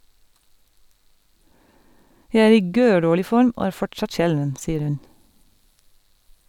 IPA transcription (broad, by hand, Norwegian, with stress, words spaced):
ˈjæɪ ˈæːɾ ˈiː ˈɡøːˌɖoːɭɪ ˈfɔɾm ˈoː ˈæːɹ ˈfɔʈˌsɑt ˈʃɛlʋən ˈsiːəɾ ˈhʉn